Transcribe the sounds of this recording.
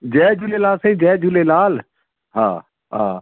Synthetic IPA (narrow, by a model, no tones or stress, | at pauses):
d͡ʒɛːd͡ʒuleːlaːlsə̃ĩːd͡ʒɛːd͡ʒuleːlaːl | ɦã̰ː | ɦa̰ː